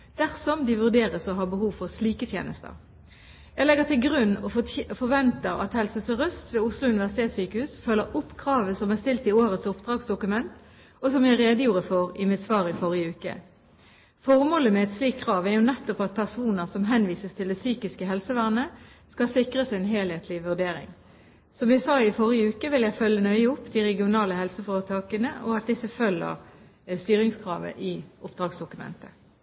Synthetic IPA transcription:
d̪̥æʁsɔmd̪ɪʋʉʁd̪eːʁəsɔɦɑːbəhuːʋfɔʁsliːkət̪ʰjḛːnə̰st̪ə̰ʁ | jæɪlɛɡəʁt̪ɪlɡʁʉnːɔfɔʁʋɛnt̪əʁɑ̰t̪hɛlsəsɔʁœst̪ʋeːʊslʊʉnɪʋæʁsɪt̪ʰeːt̪syːkəhʉːsfœlːəʊpːkʰʁɑːʋəsɔmæʁst̪ɪlt̪ɪoːʁət̪sʊpd̪̥ʁɑːɡsd̪ʊkʉmɛnt̪ | ɔsɔmjæɪʁeːd̪əjuːʁəfɔʁɪmɪt̪sʋɑːʁɪfɔʁɪəʉːkə̰ | fɔʁmoːləmɛɛt̪sliːk̚kʰːʁɑːʋæʁjʊnɛt̪ːɔpɑt̪̚pʰæʁsuːnəʁsɔmɦɛnʋiːsəst̪ʰɪld̪ɛsyːkɪskəɦɛlsəʋæʁnə | skɑsɪkʁəsɛnɦeːlheːt̪ʰlɪʋʉʁd̪eːɾɪ̰ŋ | sɔmʋɪsɑːɪfɔʁɪəʉːkəʋɪljæɪfœlːənœʏəʊpːd̪iʁɛɡɪʊnɑːləhɛlsəfɔːʁət̪ʰɑːkənəʔɔɑt̪̚d̪ɪsəfœlːə̰ʁ | st̪yːɾɪŋskʰʁɑ̰ːʋə̰ʔɪʊpd̪ʁɑːɡsd̪ʊkʉmɛ̰nt̪ə

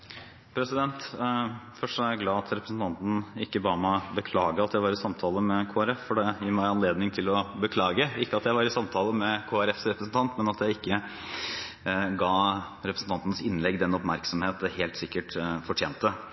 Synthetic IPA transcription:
pʰɾɛsɪd̪ɛnt̪ | fœʂɔæɾjæɪɡlɑːɑt̪ʰɾɛpɾəsn̩t̪ʰɑnt̪n̩ɪkːəbɑːɾmɔbəkʰlɑːɡəɑt̪jæɪʋɑɾɪsɑmt̪ʰɑːləmɛkʰoːæɾɛffɔɖɛjiːɾmæɪɑnleːd̪nɪŋt̪ʰɪlɔbəkʰlɑːɡəɪkːəɑt̪jæɪʋɑɾɪsɑmt̪ʰɑːlˠəmɛkʰoːæɾɛfsɾɛpɾəsn̩t̪ʰɑnt̪mɛnɑt̪jæɪɪkːə | ɡɑː | ɾɛpɾsn̩t̪ɑnt̪nəsɪnːlɛɡːd̪ɛnɔpmæɾksɔmheːt̪heːlt̪sɪkːəʈfɔʈʰjeːnt̪ə

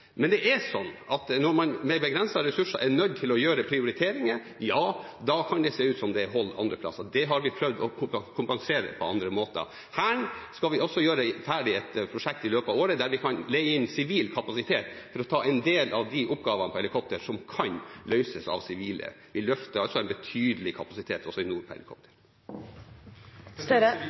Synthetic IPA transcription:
mɛnd̪ɛʔæsɔnːɑt̪nɔɾmɑnmɛbəɡɾɛnsɑɾɛsʉʂəʔɛnœd̪̚t̪ʰɪlɔjøːɾəpʰɾɪʊɾɪt̪ʰeːɾɪŋə | jɑː | d̪ɑkʰɑnd̪ɛseːʉːt̪sɔmd̪ɛɦɔld̪ɑ̰nd̪ɾəpʰlɑ̰sːəd̪ɛɦɑɾʋɪpʰɾœʋd̪ɔkʰʊpkʰʊmpɑŋseːɾə̰pʰɔɑ̰nd̪ɾəmoːt̪ə̰ | hæːɳskɑlʋɪɔsːɔjøːɾəfæːɖɪɛt̪pʰɾʊʂɛk̚t̪ɪløːpɑʋoːɾəd̪æɾʋɪkʰɑnlɛɡəɪnːsɪʋiːlkʰɑpɑsɪt̪ʰeːt̪ | fɔɾɔt̪ʰɑːɛnd̪eːlʔɑʋd̪ɪʔʊpːɡɑːʋənəpʰɔhɛlɪkʰɔp̚t̪əɾʂɔmkʰɑnlœʏsəsɑ̰ʋsɪʋiːlə̰ʋɪlœft̪əɾɑlsɔæɛnbət̪ʰyːd̪əlɪkʰɑpɑsɪt̪ʰeːt̪ɔsɔɪnuːɾpʰɔhɛ̰lɪkʰɔ̰p̚t̪ʰə̥ɾ | s

